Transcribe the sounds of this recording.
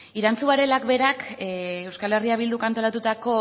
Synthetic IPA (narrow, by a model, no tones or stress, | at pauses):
iɾant͡suaɾe̞lakbe̞ɾakewskale̞riaβ̞ild̪ukant̪o̞lat̪ut̪ako̞